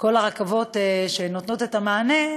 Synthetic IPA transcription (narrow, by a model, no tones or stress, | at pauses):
ko̞laʁakavo̞teʃenot̪no̞tetamaːne